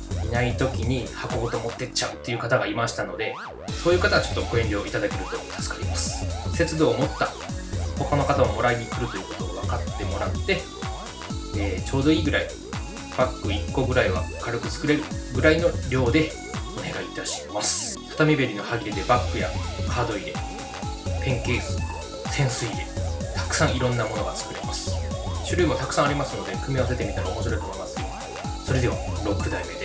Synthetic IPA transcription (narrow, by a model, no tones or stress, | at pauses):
inait̪o̞kʲiɲ̟ihako̞ɡo̞t̪omo̞t̪ːe̞t͡ɕaɯ̟t̪ːe̞iɯ̟kat̪aɡaimaɕi̥t̪ano̞d̪e̞ | so̞ːjɯːkat̪aɡat͡ɕo̞̥t̪ːo̞ko̞eɲɾʲjo̞ːit̪ad̪ake̞ɾɯ̟t̪o̞ot̪ʰḁsɨ̥kaɾʲimasɨ̥se̞t͡sɨd̪o̞ːmo̞t̪ːa | ho̞kano̞kat̪aomo̞ɾaiɡʲikɯ̟ɾɯ̟t̪o̞jɯ̟ko̞t̪o̞ɡaβakat̪ːe̞mo̞ɾat̪ːe̞ | eːt͡ɕo̞ːd̪o̞iːɡɯ̟ɾai | b̥akːɯ̟ikːo̞ɡɯ̟ɾaiβa̰kaɾɯkɯ̥t͡sɨ̥kɯ̟ɾe̞ɾɯ̟ɡɯ̟ɾaino̞ɾʲo̞ːd̪e̞ | o̞ne̞ɡaiːt̪aɕi̥masɨ̥t̪ʰḁt̪amʲibe̞ɾʲino̞haɡʲiɾed̪e̞bakːɯ̟jakʰaːd̪o̞iɾe̞̰ | pẽ̞ŋke̞ːzɨ | sẽ̞ɰ̃sɨiɾe̞t̪ʰḁkɯ̟̥sãɰ̃iɾõ̞nːamo̞no̞ɡat͡sɨ̥kɯ̟ɾe̞masɨ̥ɕɨɾʲɯːmot̪akɯ̟̥sãaɾʲimasɨno̞d̪ekɯ̟mʲios̬e̞t̪e̞mʲit̪aɾomo̞ɕ̬iɾo̞it̪omo̞imasɨ̥o | so̞ɾe̞d̪e̞βaɾo̞kːɯ̟d̪aime̞d̪e